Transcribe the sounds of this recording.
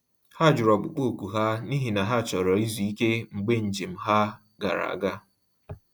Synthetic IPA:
ha˦˨d͡ʒʊ˨ɾɔ˨ɡ͡bʊ˨k͡po˦˨kʷu˨ɦa˦ni˦ɦi˨na˨ɦa˦˨t͡ʃɔ˨ɾɔ˨i˦zu˨i˦ke˦ŋ͡m̩˨ɡ͡be˦n̩˨d͡ʒe˨m̩˦ɦa˦ | ɡa̰˨ɾa̰˨a̰˨ɡa˦

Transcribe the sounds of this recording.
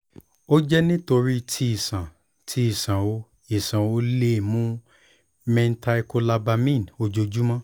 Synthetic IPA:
o˦d͡ʒɛ˦nĩ˦to˧ɾi˦˨tʰi˧i˨sã˨ | tʰi˨˦i˦˨sã˨o˧ | i˨sã˨o˧˦le˦˨mũ˦ | mɛ̃˧n̩˦ta˧i˧ko˧la˧ba˧mĩ˦˨n˨o˧d͡ʒo˧d͡ʒu˦mã˦

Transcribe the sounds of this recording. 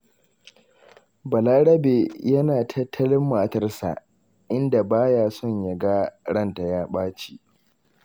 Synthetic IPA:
bɐ˨laː˦ɽɐ˦be˨jɐ˦naː˨tʰɐ˦tʰːɐ˦lɪ˦mːaː˨tɐ˦rsa̰˨ʔ | ʔɪ˦nda˨baː˦jaː˦sɔ˦˨ɲja˨ɡa˦ɽɐ˦˨nta˨jaː˦ɓaː˦t͡ʃi˦˨ʔ

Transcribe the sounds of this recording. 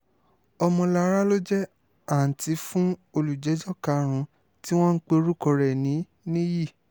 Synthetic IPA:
ɔ˧mɔ̃˧la˧˦ɾa˦lo˦d͡ʒɛ˦ | a˦˨n̩˨ti˨˧fũ˦o˧lu˨d͡ʒɛ˨˦d͡ʒɔ˦ka˧˦ɾ̃ũ˧ | ti˦w̃ɔ̃˦n̩˦k͡pe˦˧o˧ɾu˦kɔ˧ɾɛ˨nĩ˨˦ | nĩ˦ji˦˨

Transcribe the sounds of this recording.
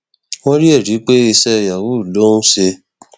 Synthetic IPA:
wɔ̃˦ɾi˦e˦˨ɾi˨˦k͡pe˦i˧sɛ˦˧˨ja˨wu˦˨lo˦nũ˦se˧

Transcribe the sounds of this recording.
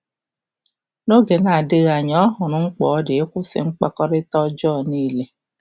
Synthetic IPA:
no˦ɡe˨na˨dɪ˦ɣa˨ɲɔ˦ɦʊ˨nʊ˨˦ŋ͡m̩˦k͡pɔː˨˦dɪ˨e˦kʷʊ˦sɪ̰˨ŋ͡m̩˦k͡pa˦kɔ˦ɾɪ˦tɔ˦d͡ʒɔː˦˨niː˦le˦

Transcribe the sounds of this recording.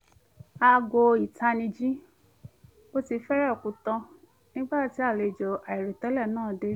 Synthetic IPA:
a˧ɡo˧i˨tʰa˧nĩ˧d͡ʒĩ˦ | o˦ti˧˦fɛ˦ɾɛ˦ɔ˨kũ˨tɔ̃˧ | nĩ˦ɡ͡ba˦˨ti˨˦a˦˨le˨d͡ʒɔ˨ʔa˨i˨ɾi˨tɔ˨˦lɛ˦˨nãː˦˨de˨˦ɾ

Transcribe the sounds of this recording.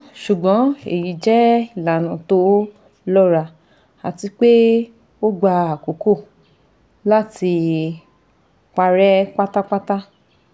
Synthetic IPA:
ʃu˨ɡ͡bɔ̃˨˦ḛ˨ji˨d͡ʒɛ˦i˦˨la˨nã˨to˦ | lɔ˦ɾa˧ | a˨ti˧k͡pe˦ | o˦ɡ͡ba˧a˨ko˨ko˦˨ | la˦ti˧ | k͡pa˧ɾɛ˦k͡pa˦ta˦k͡pa˦ta˦

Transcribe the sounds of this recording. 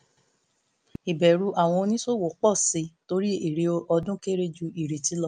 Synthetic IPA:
i˨bɛ˨ɾu˧˦ʔa˨w̃ɔ̃˧o˧nĩ˦so˦˨wo˨k͡pɔ˦˨si˨˧˦to˧˦ɾi˦i˦˨ɾe˨o˧ʔɔ˧dũ˦ke˦ɾe˦d͡ʒu˧i˨ɾe˨ti˨˦lɔ˦

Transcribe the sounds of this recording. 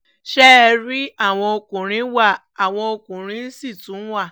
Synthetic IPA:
ʃɛ˦ɛ˧ɾi˦a˦˨w̃ɔ̃˧o˧kũ˨ɾ̃ĩ˨˦wa˦˨ | a˨w̃ɔ̃˧o˧kũ˨ɾ̃ĩ˦n̩˦si˦˨tũ˨˦wa˦˨

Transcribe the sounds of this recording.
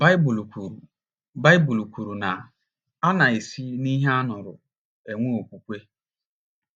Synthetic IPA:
ba˦ɪ˦bu˨lkʷu˨ɾu˨ | ba˦ɪ˦bu˨lu˨kʷu˨ɾu˨na˨ | a˦na˨e˨si˦ni˦ɦe˦a˦nʊ˨ɾʊ˨ | e˨ŋʷu˦o˨kʷu˨kʷe˦

